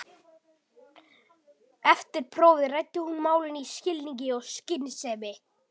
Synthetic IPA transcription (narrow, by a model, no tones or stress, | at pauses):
ɛft̪ɪɾ̥pʰɾoːwvðɪrajt̪ːɪhunmaːwlɪniscɪlniɲcɪɔɣscɪnsɛvɪ